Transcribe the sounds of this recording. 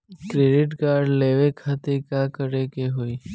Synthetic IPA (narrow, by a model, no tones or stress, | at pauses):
kɾeːɖɪʈkaːɾɖleːʋekʰaːt̪ekakəɾekeɦoːiː